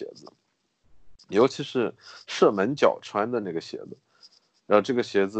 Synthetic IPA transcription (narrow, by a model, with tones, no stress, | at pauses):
ɛ̰˧˥d͡zɹ̩˧˩ | jo˧˥ʊt͡ɕʰi˧˥ʂɻ̩˥˧ʂɤ˥˩mə˧˥nt͡ɕjɑ˨˩ʊʈ͡ʂʰwa˥nd̪ə˧na˥˩ɡə˩ɕjɛ̰˧˥d͡z̩˧ | ɻa˧˥xo˧ʈ͡ʂɤ˥˩ɡə˩ɕjɛ˧˥d͡zɹ̩˧